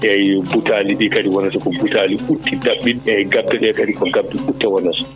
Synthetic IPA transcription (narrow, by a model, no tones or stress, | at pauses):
ʔɛjbutaːliɗiːkɐdiwɔnasɔkɔbutaːliʔutʰːidaɓːinɛɡab̚dɛɗɛkɐdikɔɡab̚dɛʔutːɛwɔnasɔ̥